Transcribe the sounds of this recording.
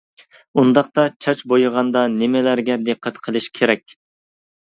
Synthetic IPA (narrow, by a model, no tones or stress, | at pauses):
und̪ɑqt̪ɑt͡ʃʰɑt͡ʃbojʁɑnd̪ɑnɪmɪlæɾɡʲɛd̪eqʰːət̪qʰəlˠɨʃkʲʰeɾɛkʲ